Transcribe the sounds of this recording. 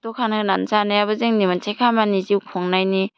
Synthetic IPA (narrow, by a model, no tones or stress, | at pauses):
tokʰanɯnansanejabɯzeŋnimantʰekʰamaniziwkʰɔŋnajni